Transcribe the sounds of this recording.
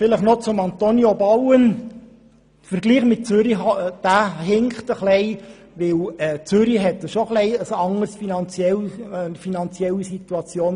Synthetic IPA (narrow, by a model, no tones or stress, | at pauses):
fɪləχnot͡sʊmɑnt̪onjobɑwən | fərɾɡliːχmɪt̚t͡søɾiɦɑd̥æːɦɪŋχtəχlɛɪ | ʋɪlɛt͡søɾiɦɛtːəʃoχlɛɪəsɑŋərsfinɑnt͡sjɛlfinɑnt͡sjɛlːisit̪uɑt͡sjoːn